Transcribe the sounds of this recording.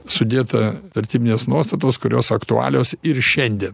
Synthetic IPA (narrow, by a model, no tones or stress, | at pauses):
sʊd̪ʲeːt̪ɐʋʲɛɾʲt̪ʲiːbʲɪnʲeːsnuɔst̪ɐt̪oːskʊɾʲoːsɐkt̪ʊɑ̰ːlʲoːsɪɾʃʲɛnʲd̪ʲiɛn